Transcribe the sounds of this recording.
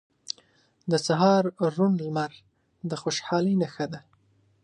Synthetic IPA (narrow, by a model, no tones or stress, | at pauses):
d̪əsaɦɑɾːunlmaɾ | d̪əxoʃħɑləjnaxəd̪a